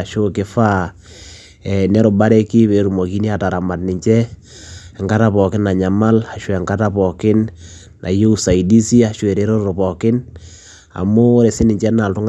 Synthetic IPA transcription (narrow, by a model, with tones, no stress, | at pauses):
ʃo˦kɪ˦fa˦ | ɛ˨nɛ˦ɾʊ˨ba˦ɾɛ˦ki˦βe˨ɾu˨mɔ˨ki˦ni˦a˨ta˨ɾa˨ma˨tnɪ˨ɲt͡ʃɛ˦˨ | ŋɡa˦ta˦pɔ˨kɪ˦na˨ɲa˨ma˦la˨ʃwɛ˨ŋka˦ta˦pɔ˨kɪ˦nː | ʔa̰˨je˦u˦˨sa˨i˨di˦si˦a˨ʃwɛ˨ɾe˦ɾo˦ɾɾo˨pɔ˨kɪ˦n | a̰˨mʊ˦ɾe˨sɪ˦nɪ˨ɲt͡ʃɛ˦na˨ltʊ˦ŋ